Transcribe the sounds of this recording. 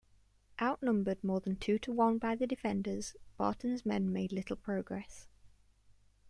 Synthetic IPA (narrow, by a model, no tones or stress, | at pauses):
ʔaʊʔnʊ̃mbəd̚mɔːðə̃ntʰʉːtʰəwʌ̃nbaɪðədɪfɛ̃ndəz̥b̥ɑ̰ˑʔn̩zmɛ̃nmeɪdˡlɪtˡl̩ˠpʰɹ̥əʊɡɹɛs